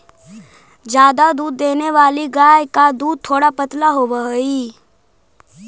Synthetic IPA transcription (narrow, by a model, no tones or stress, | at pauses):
d͡ʒjaːd̪ad̪uːd̪ːeːneʋaːliɡaːjkad̪uːd̪̚t̪ʰːoːɽapət̪laɦoʋəɦiː